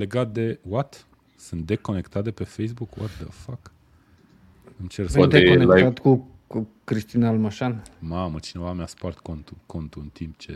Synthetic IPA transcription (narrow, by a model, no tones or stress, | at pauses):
le̞ɡat̪̚d̪e̞wat̪ | sɨnt̪̚d̪e̞ko̞ne̞kt̪at̪epe̞fejs̬bukwa̰t̪̚d̪ə̰fak | ɨmt͡ʃersat̪eonelaj̪at̪ku | kɾiʃt̪inalmaʃanmamət͡ʃine̞vamaspart̪kont̪ukʰo̞nt̪uɨnt̪imp̚t͡ʃe̞